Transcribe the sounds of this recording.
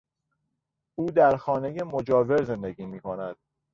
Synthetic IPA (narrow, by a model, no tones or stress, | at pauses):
uːd̪æɾxɒːne̞jemo̞d͡ʒɒːve̞ɾze̞nd̪eɡiːmiːkʰonæd̪̥